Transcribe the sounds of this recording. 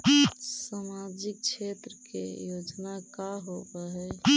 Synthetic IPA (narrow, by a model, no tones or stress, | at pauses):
samad͡ʒik̚t͡ʃʰet̪ɾəkḛjod͡ʒnakaɦobəɦɛ